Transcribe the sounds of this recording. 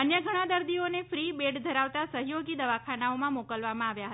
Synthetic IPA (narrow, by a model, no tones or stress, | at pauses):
ənjəɡʱəɽ̃ad̪əɾd̪ionefɾibeɖd̪ʱəɾaʋt̪asəɦjoɡid̪əʋakʰanaomãmokəlʋamãaʋjaɦə